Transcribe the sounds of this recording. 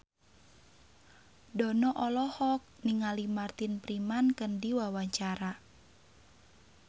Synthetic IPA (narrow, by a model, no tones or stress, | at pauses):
dɔnɔʔɔlɔhɔk̚niŋalimart̪inpɾimankəndiwawaɲt͡ʃaɾa